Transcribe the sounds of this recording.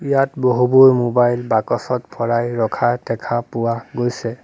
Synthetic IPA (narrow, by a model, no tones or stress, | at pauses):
ijatboɦuboɹmobajlbakɔsɔtpʰɔɹajɹɔkʰadɛkʰapʊwaɡojsɛ